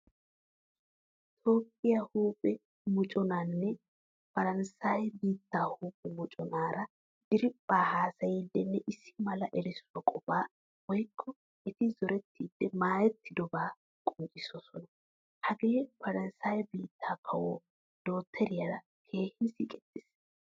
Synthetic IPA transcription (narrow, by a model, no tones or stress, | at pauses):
t̪ʰoːpʼːɪjahuːpʼːɛ | mʊt͡ʃʼɔnaːnːɛ | fɐɾɐnsaːjbiːt̪ːaːhuːpʼːɛmʊt͡ʃʼɔnaːɾɐ | d̪̥ɪɾɪpʼːaːhaːsɐjɪd̪ːɛnːɛʔɪsːɪ̥mɐlɐʔɛɾɪswɐkʼɔbaː | wɔjkʰːɔ | ɛt̪ɪzɔɾɛt̪ːiːd̪̥ːɛmaːjɛt̪ːɪd̪ɔbaː | kʼʊnt͡ʃʼɪsɔsɔnɐ | hɐɡe̞ːfɐɾɐnsaːjbiːt̪ʰːaːkʰɐwɔː | d̪̥o̞ːt̪ʰːɛɾɪjɐɾɐ | kʰe̞ːhɪnsiːkʼɛt̪ʼːɪs